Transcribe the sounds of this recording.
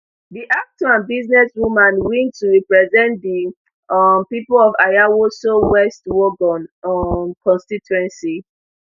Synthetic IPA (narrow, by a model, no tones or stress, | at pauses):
diʔak̚tɔãnbiznɛsɹumãnwĩntuɹipɹɛzɛ̃ntdi | mpipolɔvajawosowɛstwɔɡɔ̃nmkʰɔ̃nstituɛ̃nsi